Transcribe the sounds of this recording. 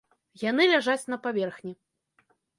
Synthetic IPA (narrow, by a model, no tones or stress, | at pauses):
janɨlʲaʐat͡sʲn̪ɐpavʲɛrxnʲi